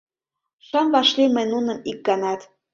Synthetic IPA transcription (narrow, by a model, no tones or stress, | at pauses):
ʃɑmvɑʃlimə̆nunə̆mik̚ɡɑnɑt̪